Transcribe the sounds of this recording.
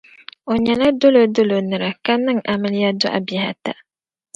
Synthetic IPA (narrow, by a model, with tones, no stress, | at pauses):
o˨ɲɛ˨la˦do˦lo˨do˦lo˨nɨ˨ɾɨ˨ka˦nːɨ˦ŋʔa˨mɨ˦lja˦dʊ˦ʔa̰˨bɪ˨ɦa˨ta˦˨